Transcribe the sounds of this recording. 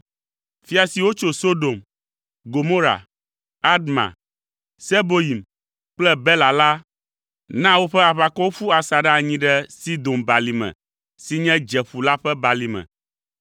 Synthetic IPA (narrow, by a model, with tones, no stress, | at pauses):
fi˦a˨si˨wo˦t͡ʃo˨so˦ɖo˨m | ɡo˨mo˦ɾa̰˨ | a˦d̪mã̰˨ | se˦bo˦ji˨m | k͡plɛ˦bɛ˦la˨la˦ | nã˦wo˦ɸɛ˦a˨βa˨kɔ˦wo˦ɸu˦a˨sa˨ɖa˦˨ɲĩ˦ɖɛ˦si˦d̪o˨mba˨li˨mɛ̰̃˨ | si˦ɲɛ̃˦d͡ʒɛ˨ɸu˨la˦ɸɛ˦ba˨li˦mɛ̰̃˨